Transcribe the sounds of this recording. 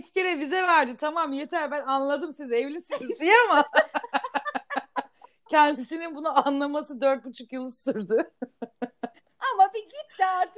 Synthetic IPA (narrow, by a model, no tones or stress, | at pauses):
cʰʲi̥ceɾɛbizɛvæɾd̪it̪ʰamamje̞t̪ʰæɾbænanlˠad̪ɯmsizevlʲisinizd̪ijama | cʰɛnd̪isininbunuanlˠamasɯd̪øɾt̪̚but͡ʃʰukjɯlˠɯsuɾd̪ʊ | amabiɟit̪ːiaɾt̪ɯk